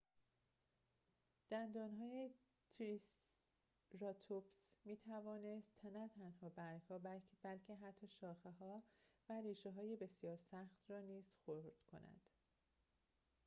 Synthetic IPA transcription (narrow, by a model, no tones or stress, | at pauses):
d̪̥ænd̪ɒːnɦɒːje | t̪ʰɾis | rɒt̪ʰopsmiːt̪ʰævɒːne̞st̪ʰnæt̪ʰænhɒːbæɾʰɒːbbælcʰeɦæt̪ʰːɒːʃɒːxeɦɒːvæɾiːʃeɦɒːjebe̞sjɒːɾsæxt̪rɒːniːz̥xoɾd̪̥kʰo̞̰næ̰d̪̥